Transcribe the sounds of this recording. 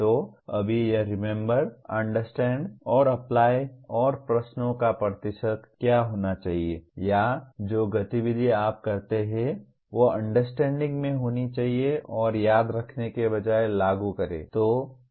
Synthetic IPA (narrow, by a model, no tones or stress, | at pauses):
t̪oːɐbʱijɐɾɪmẽmbəɾɐ̃ɳɖəɾsʈɛ̃ːɳɖɔːɾɐplaːjɔːɾpɾɐʃnõkapət̪ɪʃəd̪kjaːɦoːnat͡ʃaːɦiejad͡ʒoːɡɐt̪iʋɪd̪ʱiaːp̚kɐɾt̪eɦɛ̃ | ʋoɐ̃ɳɖəɾsʈɛ̃ːɳɖɪ̃ŋɡmẽɦoːnit͡ʃaːɦieɔːɾjaːd̪ɾɐkʰnekebɐd͡ʒaːelaːɡukɐɾḛ̃ːt̪oː